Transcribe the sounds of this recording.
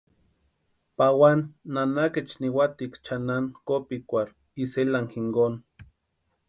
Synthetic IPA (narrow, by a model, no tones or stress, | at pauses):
pawanːanaket͡ʃniwat̪ikt͡ʃanankopikʷaɾ | iselaŋxiŋɡon